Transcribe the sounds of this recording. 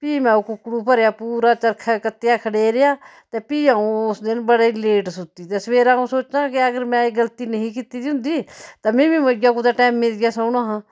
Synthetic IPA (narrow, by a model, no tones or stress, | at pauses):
piːmɛ̃ːʊkʊkːɽuːpəɾjaːpuːɾaːt͡ʃəɾkʰaːkət̪jaːkʰəɽeːɾɪjaːt̪ɛːpiːãːũːʊsd̪ɪnbəɽeːleːʈsʊt̪iːt̪ɛːsʋeːɾãːũːsoːt͡ʃãːkɪəɡəɾmɛ̃ːeɡəlt̪iːnəɦĩːkɪt̪iːd̪iɦʊ̃nd̪iːt̪aːmɛ̃ːbĩːməɡaːkũːd̪aːʈɛːmːɪlɡjaːsəːɽaːɦãː